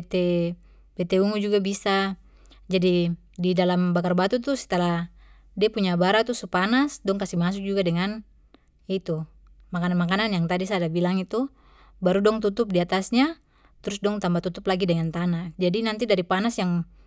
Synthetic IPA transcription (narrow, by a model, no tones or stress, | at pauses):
t̪ɛ | bɛt̪ɛuŋud͡ʒuɡabisa | d͡ʒadi | didalambakarbat̪ut̪usɛ̥t̪alah | diapuɲabaɾat̪usupanasdɔŋkasimas̬uk̚d͡ʒuɡadɛŋan | it̪u | makananmakananjaŋt̪adisadabilaŋit̪u | baɾudɔŋt̪ut̪up̚diat̪asɲa | t̪ɾusdɔŋt̪ambat̪ut̪uplaɡidɛŋant̪anad͡ʒadinant̪idaɾipanasjaŋ